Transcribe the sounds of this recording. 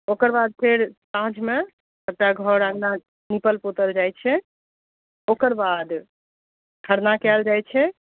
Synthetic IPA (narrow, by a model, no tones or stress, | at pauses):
okəɾbad̪̚pʰeɾsãd͡ʒme | əkʈaɡʱɔɾãɡna | nipəlpot̪əld͡ʒajt͡ʃʰɛ | okəɾbad̪ | tʰəɾnakɛld͡ʒajt͡ʃʰɛ